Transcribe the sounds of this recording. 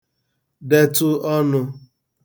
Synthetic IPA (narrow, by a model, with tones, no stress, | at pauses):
de˨tʊ˦ɔ˦nʊ˧